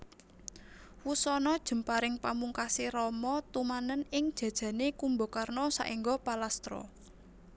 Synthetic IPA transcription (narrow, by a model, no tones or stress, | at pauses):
wusɔnɔd̥ʒ̥ə̤mpaɾɪŋpamuŋkasiɾɔmɔt̪umanənɪŋd̥ʒ̥ä̤d̥ʒ̥ä̤nekumbokarnɔsa̰ʔiŋɡɔpalast̪ɾɔ̰